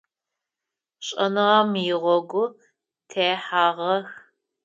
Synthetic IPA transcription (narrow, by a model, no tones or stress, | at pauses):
ɕʼɐ̰nɨʁɐmjɪʁʷɔɡʷʊ | tʰejħaːʁɐx